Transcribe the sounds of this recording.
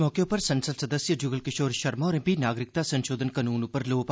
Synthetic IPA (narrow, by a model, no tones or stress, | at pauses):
mɔːkeʊpəɾsənsəlsəd̪əsjəd͡ʒʊɡəlkɪʃoːɾʃəɾmɔːɾɪpiːnaːɡɾɪk̚t̪aːsənʃoːd̪ʱənkənuːnʊpːəɾloːp